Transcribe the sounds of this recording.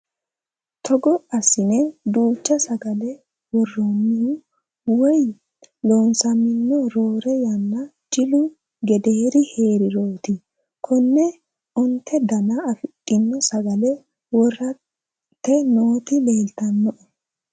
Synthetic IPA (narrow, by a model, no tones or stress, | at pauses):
t̪ʰɔɡɔɐsɪnɛd̪uːt͡ʃːɐsɐɡɐlɛ | wɔrːonːɪhʊ | wɔj | loːnsɐmɪnːɔɾoːɾɛjɐnːɐ | d͡ʒɪlʊ | ɡɛd̪eːɾɪhe̞ːɾɪɾoːt̪ɪ | kʰɔnːɛ | ɔnt̪ʰːɛd̪ɐnɐːfɪtʼːɪnːɔsɐɡɐlɛ | wɔrːɐ | t̪ːɛnoːt̪ɪle̞ːlt̪ɐnːɔʔɔ